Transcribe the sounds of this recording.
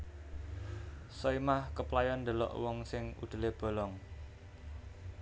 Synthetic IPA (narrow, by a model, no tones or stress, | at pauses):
sɔimahkəplajɔnd̪ə̤lɔ̰ʔwɔŋsɪŋṵd̪̥ə̤leb̥o̤lɔŋ